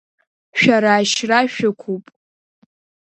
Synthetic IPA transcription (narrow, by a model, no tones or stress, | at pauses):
ʃᶣaɾaːʃraʃᶣakʷʰupʼ